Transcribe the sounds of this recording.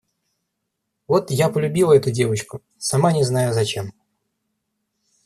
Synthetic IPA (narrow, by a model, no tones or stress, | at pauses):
vo̞t̪japəlʲʉbʲilˠəɛt̪ʊdʲe̞vət͡ɕkʊ | sɐmanʲɪznajʊzɐt͡ɕe̞m